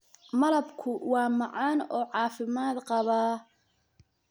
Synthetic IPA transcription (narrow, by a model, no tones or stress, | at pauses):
mɐlɐbkʰʊwɑːmɑʕɑːnɔːʕɑːfɪmaːd̪qɑβaː